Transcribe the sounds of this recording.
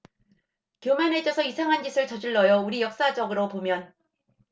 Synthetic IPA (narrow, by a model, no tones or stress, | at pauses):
kjomanɦed͡ʑʌsʰʌisʰaŋɦand͡ʑisʰɯɭt͡ɕʌd͡ʑiɭːʌjʌuɾijʌk̚s͈ad͡ʑʌɡɯɾopomjʌn